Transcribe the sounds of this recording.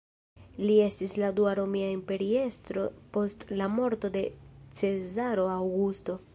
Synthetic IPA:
lie̞stisladuaɾo̞miaimpe̞ɾie̞stɾo̞po̞stlamo̞ɾto̞de̞t͡se̞zaɾo̞awɡusto̞

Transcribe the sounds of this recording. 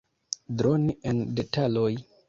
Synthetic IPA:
dɾo̞niʔe̞nde̞taloj

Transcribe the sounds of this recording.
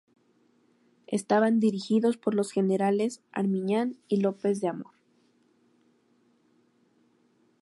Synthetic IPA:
e̞̰st̪aβand̪iɾixiðo̞spo̞ɾlo̞sxe̞ne̞ɾale̞sa̰ɾmĩɲanilo̞pe̞zðeamo̞ɾ

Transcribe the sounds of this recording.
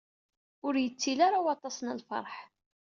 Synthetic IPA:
ʊɾjət͡sːilaɾawɑt̪ˤɑsnəlfɑ̰ɾˤħ

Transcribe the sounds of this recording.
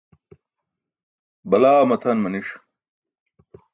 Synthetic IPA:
bɐlaːmɐt̪ʰɐnmɐniʂ

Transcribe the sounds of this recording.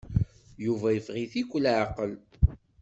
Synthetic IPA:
juvæjəfʁiθikʷːlʕaqəl

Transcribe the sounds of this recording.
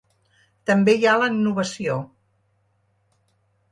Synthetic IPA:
t̪əmbejaləɡnuβəsio

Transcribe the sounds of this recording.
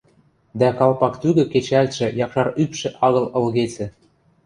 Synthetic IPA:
d̪ækɑlpɑkt̪yɣɘ̆ket͡ɕælʲt̪ʃĕjɑkʃɑɾypʃɘ̆ʔɑɣɤ̆lɤ̆lɣet͡sɘ̆

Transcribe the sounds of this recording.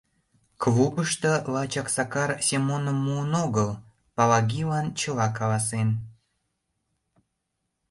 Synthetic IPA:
kβupəʃt̪ə̆lɑt͡ɕɑksɑkɑrsʲemonəmːuənoɣəl | pɑlɑɡʲilɑnt͡ɕəlɑkɑlɑs̬en

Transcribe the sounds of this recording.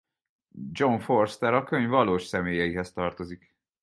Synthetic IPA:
d͡ʒo̞ɱforst̪ɛɾɒkøɲvɒloːʃsɛmeːjɛiɦɛst̪ɒrt̪o̞zik

